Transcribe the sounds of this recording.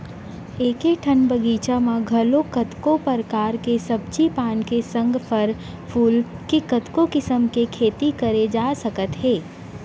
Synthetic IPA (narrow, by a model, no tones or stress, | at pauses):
eːkeʈʰənbəɡiːt͡ʃamãɡʱɐlokət̪kopəɾkaːɾkesɐb̚t͡ʃipaːnkesə̃ŋɡpʰəɾ | pʰuːlkikət̪kokɪsəmkekʰeːt̪ikəɾed͡ʒaːsəkət̪ɦeː